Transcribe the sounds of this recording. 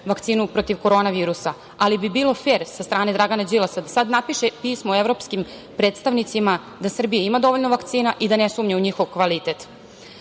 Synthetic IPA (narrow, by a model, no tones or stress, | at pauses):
ʋakt̪siːnupɾot̪iʋko̞ɾo̞ːnaʋiːɾusa | alibibiːlˠo̞fe̞ːɾsast̪ɾaːne̞d̪ɾaɡanad͡ʑilasad̪asad̪napiʃepiːsmoevɾo̞pskim | pɾe̞ːt̪st̪aʋnit̪sima | d̪asr̩bijaimad̪o̞ʋoʎnoʋakt̪siːnaʔid̪ane̞suːmɲeuɲixoʋkʋalit̪e̞t̪